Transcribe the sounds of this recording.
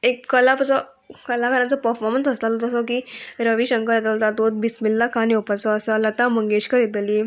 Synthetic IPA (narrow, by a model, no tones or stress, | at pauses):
ekːəlapət͡sə | kəlakʰəɾãt͡səpəɾfɔɾmənsəslalot̪əsɔkiːɾəʋiɕəŋkəɾet̪ət̪at̪ot̪̚bismilːakʰaniɔpət͡sɔəsələt̪ãməŋɡeɕkəɾjet̪li